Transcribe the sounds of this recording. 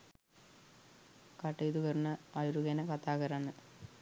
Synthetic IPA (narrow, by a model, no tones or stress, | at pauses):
kɐʈːejd̪uɣɐrnɐɐjɾuɣeːnɐkɐt̪ːaːɣɐɾaːɳɨ